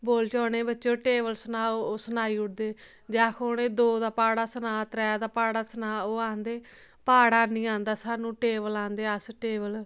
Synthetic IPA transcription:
boːlt͡ʃɔːneːbətːt͡ʃõːʈeːʋəlsənaːooːsənaːiːʊʈ̚d̪eː | d͡ʒaːkʰoneːd̪oːd̪aːpaːɽaːsənaːt̪ɾɛːd̪aːpaːɽaːsənaːoːãːnd̪eː | paːɽaːnĩːãːnd̪aːsaːnũːʈeːʋəlãːnd̪eːəsʈeːbəl

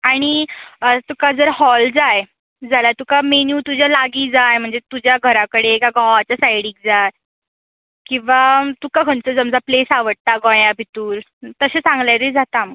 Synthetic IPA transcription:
aɽ̃iət̪ukad͡zəɾhɔld͡zaj | d͡zʱalat̪ukamenjuːt̪ud͡ʑjalaɡiːd͡zajm̤əɳd͡zet̪ud͡ʑjaɡʱəɾakəɽekaɡãʋat͡ɕjasajɽiːk̚d͡zaj | kĩw̃ʋat̪ukakʰəɳt͡səd͡zəmd͡zaplesaʋəɽ̚t̪aɡɔ̃jabʱit̪uːɾ | t̪əɕet͡sãŋɡljaɾed͡zʱat̪aməɡ

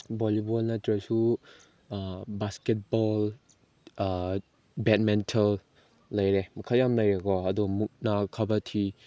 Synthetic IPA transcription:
bɔlibɔlnɐtɾɐsu | basket̚bɔl | bɛt̚mɛntʰalː | ɐjɾemɐkʰaljamnɐjɐkɔɐdumuk̚nakʰabɐtʰi

